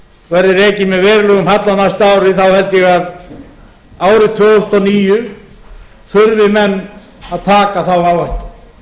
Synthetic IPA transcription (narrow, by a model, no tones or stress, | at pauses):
vɛɾðɪɾɛcɪmɛðvɛːɾlœɣʏmhat̪lanast̪aːwɾɪθawhɛlt̪jɛɣað | aːwɾɪt̪ʰvœːʏl̥t̪ɔniːjʏ | θʏɾvɪmɛnː | aðt̪ʰaːkaθawawhaht̪ʏ̥